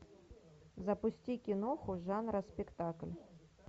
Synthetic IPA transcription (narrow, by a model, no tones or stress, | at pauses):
zɐpʊsʲt͡sʲikʲinɔxʊʐanɾɐspʲɛkt̪aklʲ